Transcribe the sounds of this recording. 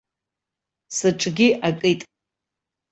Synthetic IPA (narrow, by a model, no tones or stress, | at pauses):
sɨʈ͡ʂʼɡʲiʔakʼɨjtʼ